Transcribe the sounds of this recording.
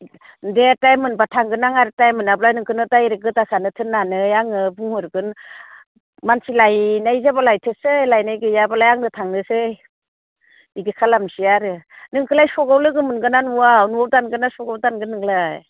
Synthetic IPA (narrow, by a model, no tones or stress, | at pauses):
detajmɯnbatʰaŋɡɯnaŋaɾɯtajmɯnablajnɯŋkʰɯnɯtajɾɯɡɯtasanɯtʰɯnːanɯjaŋɯbuŋhɯɾɡɯn | mansilajnajzabalajtʰɯsɯjlajnajɡɯjabalajaŋnɯtʰaŋnɯsɯj | biɡikʰalamsiaɾɯnɯŋkʰɯlajsɔɡawlɯɡɯmɯnɡɯnanuwawnuawdanɡɯnasɔɡawdanɡɯnɯŋlaj